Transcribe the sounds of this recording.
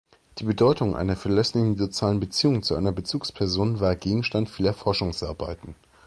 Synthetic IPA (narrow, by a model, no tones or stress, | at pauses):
d̥iːbədɔʏtʊŋʔa̰ɪnɐfɛɐlɛslɪçn̩zot͡sjaːlənbət͡siːʊŋt͡suʔa̰ɪnɐbət͡suːkspʰɛɐzoːnvaːɐɡeːɡŋ̩ʃtantfiːlɐfɔɐʃʊŋsʔa̰ɐba̰ɪtn̩